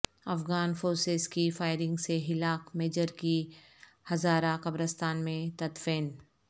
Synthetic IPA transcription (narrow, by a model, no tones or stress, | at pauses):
ɐfɣaːnfoːɾsezkifaːɪɾɪ̃ŋɡseɦɪlaːkmeːd͡ʒəɾki | hɐzaːɾakɐbɾəst̪aːnmẽt̪ɐt̪feːn